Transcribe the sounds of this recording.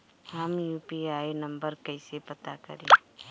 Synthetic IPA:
ɦɐmjuːpiaːinɐ̃mbəɾkɐɪsepɐt̪akɐ̰ɾẽː

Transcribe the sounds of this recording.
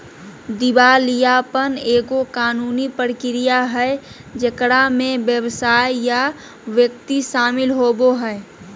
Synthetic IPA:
d̪ɪbaːlijapəneːɡokaːnuːnipəɾkɪɾijaɦɛ | d͡ʒəkɽamẽʋjəwsaːjja | ʋjək̚t̪iʃaːmɪlɦoːboɦɛe

